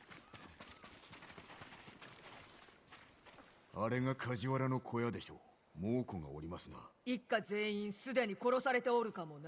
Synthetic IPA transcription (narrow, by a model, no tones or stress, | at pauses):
aɾe̞ŋakʰaʑiβaɾano̞kʰo̞jad̪e̞ɕo̞ː | moːko̞ŋɡa̰o̰ɾʲimasɨna̰ikːaze̞ːĩɰ̃sɨd̪e̞ɲ̟iko̞ɾo̞saɾe̞t̪e̞oɾɯ̟kamo̞n